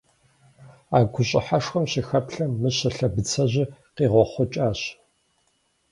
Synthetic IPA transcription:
aːɡʷʊɕʼɪ̰ħaʂxɐmɕixɐpɬɐːɨɕɐɬɐbɨt͡sʰɐʑɪqiːʁʷɔχʷɔt͡ʃʼaːɕ

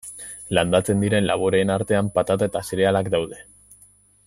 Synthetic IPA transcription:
land̪at͡se̞nd̪iɾe̞nla̰βoɾeːnaɾt̪e̞ampat̪at̪ae̞t̪asiɾe̞alakd̪awðe̞

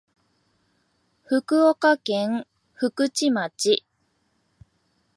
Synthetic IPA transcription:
ɸɯ̟kɯ̟okakẽ̞ŋ | ɸɯ̟kɯ̟t͡ɕimat͡ɕi

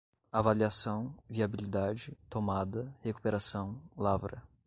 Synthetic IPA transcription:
avaliasɐ̃w̃viabilid̪ad͡ʒɪt̪omad̪ɐheku̥peɾasɐ̃w̃lavɾɐ̰

